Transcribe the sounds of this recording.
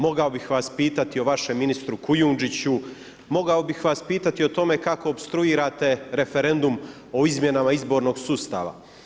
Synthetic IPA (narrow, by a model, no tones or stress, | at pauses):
mo̞ɡao̞bixʋaːspiːt̪at̪io̞ʋaʃe̞mːinist̪ɾukujuːnd͡ʒit͡ɕu | mo̞ɡao̞bixʋaːspiːt̪at̪io̞t̪o̞me̞kako̞ːbst̪ɾuiːɾaːt̪e̞ɾe̞fe̞ɾe̞nd̪um | o̞izmje̞namaizbo̞ɾno̞ːɡsuːst̪a̰ːʋa̰